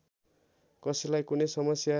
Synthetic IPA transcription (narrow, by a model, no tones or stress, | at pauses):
kʌsilajkunejsʌmʌsja